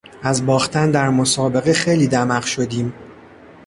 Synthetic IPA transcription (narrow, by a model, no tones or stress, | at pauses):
æzbɒːxt̪ʰænd̪æɾmosɒːbe̞ɣexe̞jliːd̪æmæɢʃo̞d̪iːm